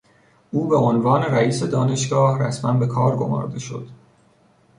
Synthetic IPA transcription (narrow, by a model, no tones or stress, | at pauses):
ʔuːbe̞onvɒːneɾæiːse̞d̪ɒːne̞ʃɡɒːhræsmænbe̞kʰɒːɾɡo̞̰mɒ̰ːɾd̪e̞ʃo̞̰d̪̥